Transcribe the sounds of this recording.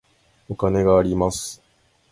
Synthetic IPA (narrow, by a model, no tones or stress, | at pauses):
o̞kane̞ɡaːɾʲimasɨ̥